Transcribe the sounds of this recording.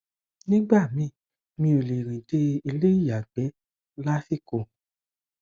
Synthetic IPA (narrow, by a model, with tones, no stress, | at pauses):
nĩ˦ɡ͡ba˦˨mĩ˨˧˦ | mĩ˧˦o˨le˨ɾĩ˨de˧˦i˧le˦i˦˨ja˨ɡ͡bɛ˨˦ | la˦fi˦˨ko˨˧˨